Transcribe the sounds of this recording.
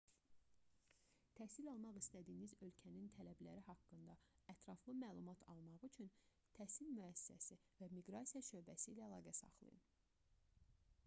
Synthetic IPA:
t̪ʰæhsilɑlˠmɑʁist̪æd̪iːnizø̞lcʰænint̪ʰælæblæ̰ɾihɑkːɯnd̪ɑæt̪ʰɾɑflˠɯmæːlˠumɑt̪ʰɑlˠmɑʁyt͡ʃʰyn | t̪ʰæsilmyæsi̥sæ̰si | væmiɡɾɑsijɑʃø̞bæsḭːlæːlˠɑːɡæsɑ̰χlˠɯ̰jɯ̰n

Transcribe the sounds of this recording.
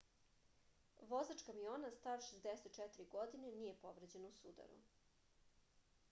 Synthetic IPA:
ʋozat͡ʂkamijoːnast̪aːɾʃezd̪eset̪t͡ʃɛt̪iɾiɡod̪inenije̞poʋɾed͡ʑenousud̪a̰ɾṵ

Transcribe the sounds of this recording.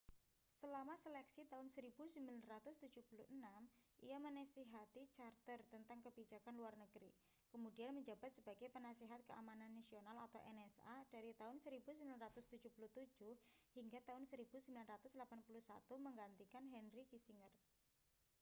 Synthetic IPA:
səlamaselɛksit̪aʊnsəɾib̥usimbilanrat̪ʊst̪u̥d͡ʒ̥uhpuluənamʔḭjamənasiɦat̪it͡ʃart̪ərt̪ənt̪aŋkəbid͡ʒakanluarnəɡ̥ɾḭ | kəmudianməɲd͡ʒab̥at̪̚səbaɡɛjpənasiɦat̪̚kəʔa̰mananːasionala̰t̪awʔɛnɛsad̥aɾit̪aɦʊnsəɾibusimbilanrat̪ʊst̪u̥d͡ʒ̥uhpuluht̪u̥d͡ʒ̥ʊhhiŋɡat̪aʊnsəɾib̥usimbilanrat̪ʊslapanpulusa̰t̪uməŋɡant̪ikanɦɛnɾikisiŋər

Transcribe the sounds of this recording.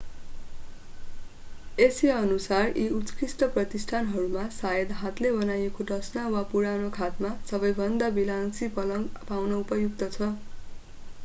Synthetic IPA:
esiʌnusariut̪kisʈʌprʌt̪isʈʰanɦʌɾumasajʌd̪ɦat̪lebʌnajekodʌsnawapuɾanokʰat̪masʌbʌjbʱʌnd̪abilansipʌlʌpawnʌupʌjuk̚t̪ʌt͡sʰʌ

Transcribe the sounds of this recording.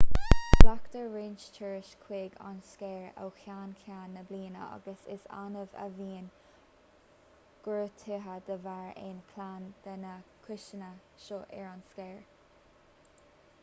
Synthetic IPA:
ld̥akt̪əɹeːnt͡ʃt͡ʃʰəɹɪʃkʰw̥eːɡa̰nskɛːɹa̰wxʰjaːnkʰjaːnːəbliːnə̰a̰ɡəsɪsa̰nəvə̰viːn | ɡ̥ɹət̪ʰɪɦəd̪əvaɹɪ̰nkʰlaːnd̪̥ənəkʰwɪʃənə | ʃɔʔɛɹanskɛːɹ

